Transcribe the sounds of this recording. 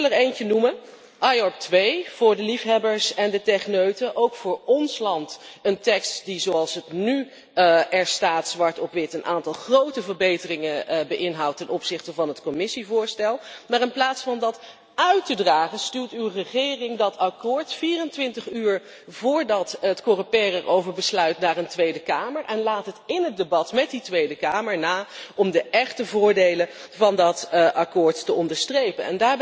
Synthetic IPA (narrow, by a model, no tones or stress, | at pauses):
ləɹejncənumə | ʔɑjɔp̚tʋejv̥ʊːɹdəlifɦɛbəɹsɛndətɛχnøɥtəʔowkfʊːɹɔnslɑntəntɛkstdizowɑlˠsətny | ɛɹstaːtsʋɑɹtɔpʋɪtənʔa̰ːntɑlˠχrowtəvəɹbejtərɪŋəbəʔɪnɦɑwtːɛnʔɔpsɪχtəvɑnɦətkɔmɪsivʊːɹstɛlˠmaːɹɪnplaːtsfɑndɑt | œɥtədraːχənstyːɹtywrəχɪːrɪŋdɑtɑkʊːɹtfiːrəntʋɪntəχyːɹ | vʊːɹdɑtətkorəpɛːrɛɹʔowvəɹbəslœɥtnaːɹəntʋejdəkaːməɹʔɛnlaːtɦətɪnɦət̚debɑtmɛt̚ditʋejdəkaːməɹnaːɔmdəʔɛχtəvʊːɹdejlə | vɑndɑtʔɑkʊːɹtːəɔndəɹstrejpənɛ̰ndaːɹb